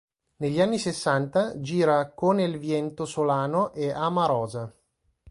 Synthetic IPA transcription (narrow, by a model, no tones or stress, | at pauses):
neʎːianːisesːant̪ad͡ʒiːɾakonelvjɛnt̪osolaːnoʔeamaɾɔːza